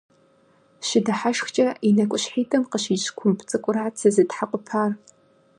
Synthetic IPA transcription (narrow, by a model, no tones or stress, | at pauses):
ʃɪdɐħaʃxt͡ʃʼɐinɐkʷʼʊɕħiːtʰʼɐmqəɕiːt͡ʃkʷʰʊmpʰt͡sʼɨkʷʼʊraːt͡sʰɨzɨtħaqʷʼʊpʰaːr